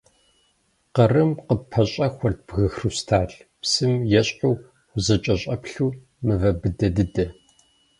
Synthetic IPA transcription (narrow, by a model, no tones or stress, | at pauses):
qɐrɨmqəpʰɐɕʼɐxʷɐr̚b̥ɣɨxrustʰaːɬpsɨmjɛɕʼħuː | ʊzɐt͡ʃʼɐɕʼɐpɬuː | mɨvɐbɨdɐdɨdɐ